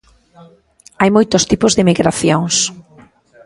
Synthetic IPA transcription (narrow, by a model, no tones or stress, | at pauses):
ajmojt̪ʊst̪ipʊzðɪmiɣɾaθjoŋs